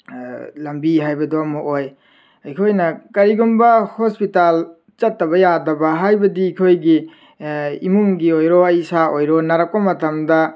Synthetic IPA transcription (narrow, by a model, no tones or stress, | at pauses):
lɐmbiɦajbɐduɐmɐʔoj | ɐjkʰojnɐkɐɾiɡumbɐhospital | t͡ʃɐtːɐbɐjadɐbɐɦajbɐdikʰojɡi | imuŋɡiojɾoɐjsaojɾonaɾɐk̚pɐmɐtɐmdɐ